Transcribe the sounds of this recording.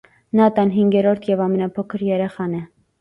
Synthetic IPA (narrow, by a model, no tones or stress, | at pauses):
nɑt̪ɑnɦiŋɡɛɾɔɾt̪ʰjɛvɑmɛnɑpʰɔkʰəɾjɛɾɛχɑnɛ